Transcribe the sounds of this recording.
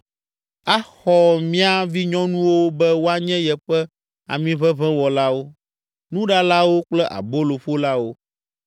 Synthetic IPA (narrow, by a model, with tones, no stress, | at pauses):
a˦xɔ˨mĩ˦a˦vi˦ɲɔ̃˦nũ˦wo˦bɛ˦wo˦a˦ɲɛ̃˦jɛ˨ɸɛ˦ | a̰˨mĩ˦βɛ˦βɛ̃˦wɔ˨la˦wo˦ | nũ˦ɖa˦la˦wo˦k͡plɛ˦ʔa̰˨bo˦lo˨ɸo˦la˦wo˦